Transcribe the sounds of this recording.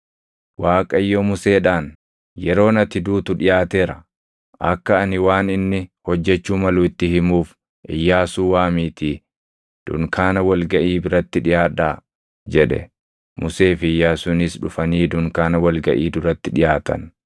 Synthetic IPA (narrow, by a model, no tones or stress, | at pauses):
waːkʼɐɪjːɔmʊse̞ːᶑaːn | jɛɾo̞ːnɐt̪ɪd̪uːt̪ʊᶑɪjaːt̪e̞ːɾɐ | ʔɐkːɐːnɪwaːnɪnːɪhɔd͡ʒːɛt͡ʃːuːmɐluːɪt̪ːɪhɪmuːf | ʔɪjːaːsuːwaːmiːt̪iː | d̪̥ʊ̰ŋkaːnɐwɐlɡɐʔiːbɪɾɐt̪ːɪᶑɪjaːᶑaː | d͡ʒɛᶑɛ̰ | mʊse̞ːfɪjːaːsʊnɪsᶑʊfɐniːd̪ʊŋkaːnɐwɐlɡɐʔiːd̪ʊɾɐt̪ːɪᶑɪjaːt̪ɐ̰n